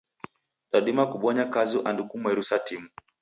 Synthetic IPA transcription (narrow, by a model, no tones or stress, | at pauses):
ɗaɗimakuɓɔɲakazuʔandukumwɛɾusatimu